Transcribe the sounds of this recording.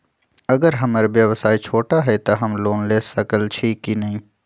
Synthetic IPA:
ɐɡəɾɦɐmaːɾeʋjəʋsaːit͡ʃʰoːʈaɦɛt̪aɦɐmloːnleːsɐkəlt͡ʃʰiːkːinɐɦĩː

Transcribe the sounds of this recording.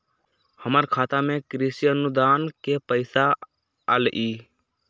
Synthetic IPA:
həməɾkʰaːt̪amẽkɾisijənud̪aːnkepəɪsa̰ː | lʔi

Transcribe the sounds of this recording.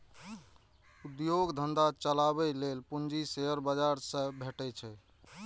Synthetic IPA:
ud̪joɡd̪ʱənd̪at͡ʃəlaβɛlelpund͡ʒiseəɾbəd͡ʒaɾsə̃bʱeʈɛt͡ʃʰɛ

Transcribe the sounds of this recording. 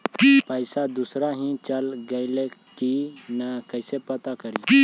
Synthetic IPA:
pəɪsad̪usɾaɦĩt͡ʃəlɡəɪle | kinəkəɪsepət̪akəɾiː

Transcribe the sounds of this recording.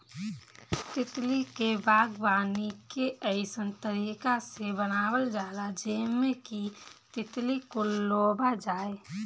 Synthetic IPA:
t̪ɪt̪likebaːɡbaːnikeəɪsənt̪əɾiːkasebənaːwəld͡ʒaːɾad͡ʒeːmekit̪ɪt̪likoloːbad͡ʒaːe

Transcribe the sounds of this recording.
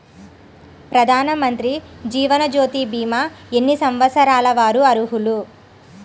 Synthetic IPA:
pɾɐd̪ʱaːnɐmɐnt̪ɾid͡ʒiːʋɐnɐd͡ʒoːt̪ibiːmae̞nːisɐmʋɐsɐɾaːlɐʋaːɾuɐɾuɦulu

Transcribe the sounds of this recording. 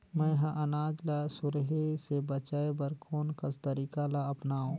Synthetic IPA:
mɛ̃ɦãʔɐnaːd͡ʒlasʊɾɦesebɐt͡ʃaːebɐɾkʰoːnkɐst̪ɐɾiːkalaɐpnaːõː

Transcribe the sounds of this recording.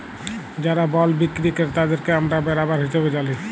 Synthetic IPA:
d͡ʒaɾabɔlbikɾikeɾt̪ad̪eɾkeamɾabɛɾabaɾɦiʃebed͡ʒali

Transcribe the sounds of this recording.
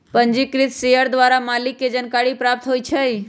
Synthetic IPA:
pəɲd͡ʒɪkɾɪt̪sejəɾd̪ʋaɾamalɪkːed͡ʒənkaɽipɾap̚t̪ɦoit͡ʃʰəi

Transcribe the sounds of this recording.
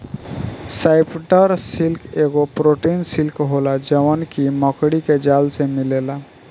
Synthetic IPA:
sajpʈəɾsilkeɡopɾoʈinsilkɦolad͡ʑəʋənkimɔkɽiked͡ʑalsemilela

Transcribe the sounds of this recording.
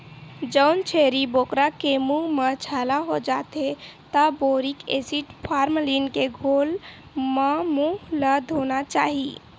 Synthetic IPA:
d͡ʒəʊnt͡ʃʰeɾibokɾakemuɦmət͡ʃʰalaɦod͡ʒat̪et̪əboɾikḛsiʈpʰaɾmlinkeɡʱol | memuɦləd̪ʱɦonat͡ʃaɦi

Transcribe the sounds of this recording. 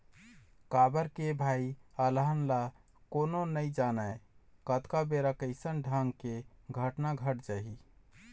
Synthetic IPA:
kabəɾkebʱaiələɦənla | kononəid͡ʒanəkət̪kabeɾakəɪsənɖʱãŋɡkeɡʱəʈnaɡʱəʈd͡ʒaɦi

